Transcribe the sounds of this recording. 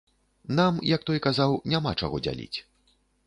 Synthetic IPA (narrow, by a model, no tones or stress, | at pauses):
namjɐk̚t̪ɔjkazawnʲamat͡ʂa̰ɣɔd͡zʲa̰lʲḭt͡sʲ